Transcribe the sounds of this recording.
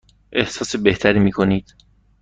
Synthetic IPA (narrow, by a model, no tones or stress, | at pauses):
ʔe̞hsɒːse̞be̞ht̪ʰæɾiːmiːkʰo̞niːd̪̥